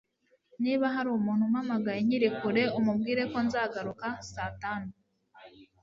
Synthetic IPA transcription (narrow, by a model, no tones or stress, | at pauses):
niːβaɦaɾuumuːnhumhamaɡajeɲiɾikuɾe̞umubɡiːɾe̞ko̞nzaːɡaɾukasaːtaːnu